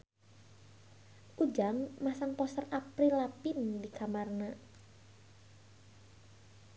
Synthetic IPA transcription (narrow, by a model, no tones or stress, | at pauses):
ʔud͡ʒaŋmasaŋpɔsərapɾilapindikamarna